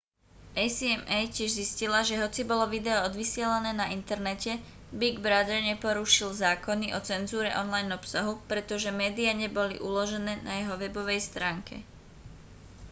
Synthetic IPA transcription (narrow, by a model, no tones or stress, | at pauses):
ʔɛjsiɛmɛjcɪɛʒziscilaʒɛɦɔt͡sibɔlɔʋid̪ɛɔɔd̪ʋisɪɛlanɛːnaʔint̪ɛɾnɛcɛ | biɡbɾad̪ɛɾɲɛpɔɾuʃilzaːkɔniʔɔt͡sɛnzuːɾɛʔɔnlajnɔpsaɦupɾɛt̪ɔʒɛmɛːd̪iaɲɛbɔlḭʔulɔʒɛnɛːnajɛɦɔʋɛbɔʋɛjst̪ɾaːŋkʰɛ̰